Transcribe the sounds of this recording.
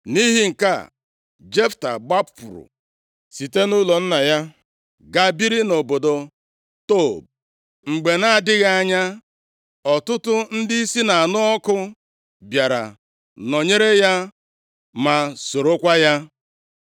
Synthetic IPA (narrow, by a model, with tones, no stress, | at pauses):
ni˦ɦi˦ŋ̩˨ka˦˨ | d͡ʒe˦fta̰˨ɡ͡ba˦ppʊ˨ɾʊ̰˨ | si˨te˦nu˦lɔ˨n̩˦na˨ja˦ | ɡa˨bi˦ɾi˦no˨bo˨do˨ | to˦˨b̚ | ŋ͡m̩˨ɡ͡be˨na˦a˨dɪ˦ɣa˦a˦˨ɲa˦ | ɔ˨tʊ˦tʊ˦n̩˦dɪ˦i˦si˦na˨a˨nʊ˦ɔ˦kʊ˦ | bja˨ɾa̰˨ | no˨ɲe˦ɾe˦ja˦ | ma˨so˨ɾo˦kʷa˦ja˦